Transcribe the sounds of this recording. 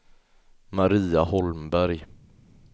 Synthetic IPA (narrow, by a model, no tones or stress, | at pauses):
maɾiːahɔlmbæɾj